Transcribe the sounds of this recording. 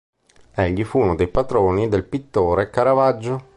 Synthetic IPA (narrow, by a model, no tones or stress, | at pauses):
ɛʎːifuːnod̪ejpat̪ɾoːnid̪elpit̪ːoːɾekaɾavad͡ʒːo